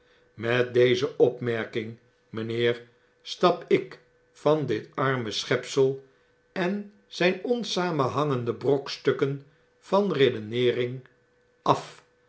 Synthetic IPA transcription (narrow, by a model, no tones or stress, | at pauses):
mɛt̚d̪ejzəʔɔpmɛɹkɪŋ | mənɪːɹ | stɑpɪk | fɑndɪtɑɹməsχɛpsəlˠ | ɛn | z̥ɛjnɔnsaːmənɦɑŋəndəbrokstɵkən | v̥ɑnredənɪːrɪŋ | ʔɑf